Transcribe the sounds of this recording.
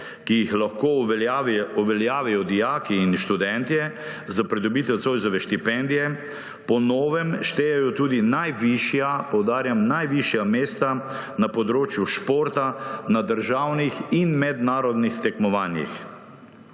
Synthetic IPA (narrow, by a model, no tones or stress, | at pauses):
kijixlaxko | ɔʋɛljaːʋɛjɔd̪ijaːkiːnʃt̪ud̪ɛnt̪iɛ | zapɾid̪ɔbiːt̪ɛwt̪soːjzɔʋɛʃt̪ipɛnd̪ijɛ | pɔnɔːʋɛmʃt̪eːjajɔt̪uːd̪inajʋiʃjapɔwd̪aːɾjamnajʋiʃjameːst̪a | napɔd̪ɾoːt͡ʃjuʃpoɾt̪anad̪əɾʒawnixinmɛd̪naːɾɔd̪nixt̪ɛkmɔʋaːnjḭx